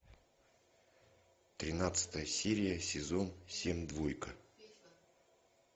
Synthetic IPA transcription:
t̪ɾʲɪnat̪sɨ̥t̪əjəsʲeɾʲɪjəsʲɪzo̞nsʲemʲd̪vojkə

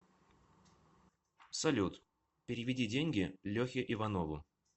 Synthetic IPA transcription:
sɐlʲut̪ | pʲɪɾʲɪvʲɪdʲidʲenʲɡʲɪlʲɵxʲɪʔɪvɐnovʊ

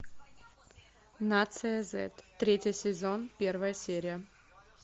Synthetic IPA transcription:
nat̪sɨjəzɛ̰t̪ːɾʲetʲɪsʲɪzonpʲe̞rvəjəsʲeɾʲɪjə

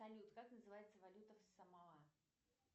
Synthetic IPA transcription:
alʲut̪kaknɐzɨvajɛt̪sːɐvalʲut̪ɐfsɐmalˠa

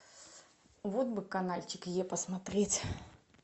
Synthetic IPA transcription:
vɔd̪bɨkanalʲt͡ɕikjɛpɐsmat̪ɾʲɛt͡sʲ

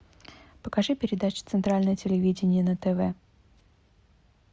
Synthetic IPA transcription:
pəkɐʐɨpʲɪɾʲɪd̪at͡ɕʊ̥t̪sɨnt̪ɾalʲnəjətʲɪlʲɪvʲidʲɪnʲɪjənət̪ɛvɛ

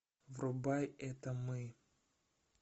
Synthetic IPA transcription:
vɾʊbajɛt̪əmɨ

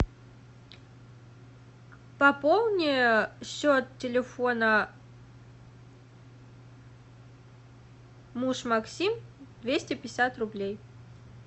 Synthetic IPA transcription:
pɐpolˠnʲɪjəɕːot̪tʲɪlʲɪfonə | muʂmɐksʲimd̪vʲesʲtʲɪpʲɪsʲat̪rʊblʲej

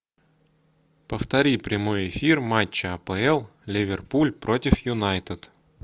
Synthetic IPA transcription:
pəft̪ɐɾʲipɾʲɪmo̞jɪfʲirmat͡ɕːəɐpɛɛlˠlʲɪvʲɪrpulʲpɾo̞tʲɪfjʊnajt̪ɨt̪

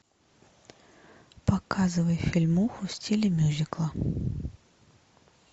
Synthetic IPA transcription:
pakazɨvɐjfʲilʲmuxusʲtʲilʲɪmʲuzʲiklˠɐ

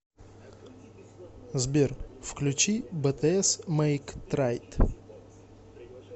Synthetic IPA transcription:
zbʲerfklʲʉt͡ɕibət̪ɛɛsmɛjkt̪ɾajt̪

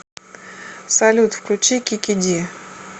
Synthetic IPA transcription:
sɐlʲut̪fklʲʊt͡ɕikʲikʲɪdʲi

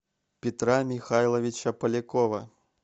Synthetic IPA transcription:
pʲit̪ɾamʲixajlˠɐvʲit͡ʃɐpɐlʲikɔvɐ

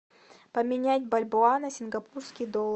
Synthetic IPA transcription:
pəmʲɪnʲætʲbɐlʲboanəsʲɪnɡɐpurskʲɪjd̪olˠ

